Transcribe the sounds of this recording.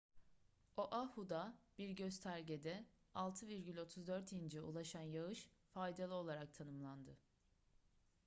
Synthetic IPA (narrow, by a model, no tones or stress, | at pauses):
oʔahud̪ab̥iɾɟøzt̪ʰæɾɟed̪ɛ | alˠt̪ʰɯviɾɟylʲo̞t̪ʰuzd̪øɾt̪ʰind͡ʒɛṵlˠaʃanjaɯʃfajd̪alˠɯo̞lˠaɾak̚t̪ʰanɯmlˠand̪ɯ